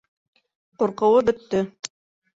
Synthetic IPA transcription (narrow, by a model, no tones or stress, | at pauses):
qŏɾqɤ̆wɤbɵ̆t̪ːɵ